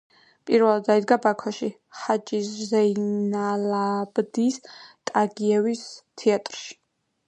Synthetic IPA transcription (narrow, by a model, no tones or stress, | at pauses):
pʼiɾvɛlˠad̪aid̪̚ɡabakʰwaʃi | χat͡ʃʼiszɛjnalabd̪ist̪ʼaɡiɛvist̪ʰɛat̪ʼɾʃi̥